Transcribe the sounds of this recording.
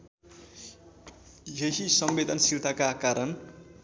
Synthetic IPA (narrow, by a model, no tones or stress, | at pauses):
jeɦisʌmbed̪ʱʌnsiɾt̪ʰakakaɾʌn